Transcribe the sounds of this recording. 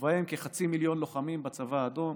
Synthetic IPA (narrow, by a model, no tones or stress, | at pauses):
vajemkeχat͡similjo̞nlo̞χamimbat͡savaːd̪o̞m